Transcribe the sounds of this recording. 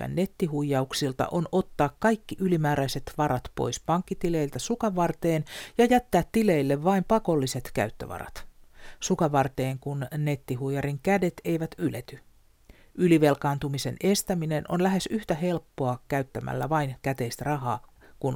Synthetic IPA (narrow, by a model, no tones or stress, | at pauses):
æ̰nːe̞t̪ːiɦujːɑuksilt̪ɑ̰ʔo̞nʔo̞t̪ːɑːkkɑjkːiʔylimæːɾæiset̪ʋɑɾɑt̪po̰jspɑŋkːit̪ile̞ilt̪æsukɑʋɑrt̪eːnjɑjæt̪ːæːt̪ːile̞ilːeʋːɑimpɑko̞lːise̞t̪kæ̰yt̪ːø̰ʋɑ̰rɑ̰t̪sukɑʋɑrt̪eːŋkunne̞t̪ːiɦujɑɾiŋkæde̞t̪e̞jʋæt̪ylet̪y | yliʋe̞lkɑːnt̪umise̞̰ne̞st̪æmine̞no̞̰nlæɦe̞syht̪æɦe̞lpːoɑkæyt̪ːæmæ̰lːæ̰ʋɑinkæt̪eist̪rɑɦɑː | kun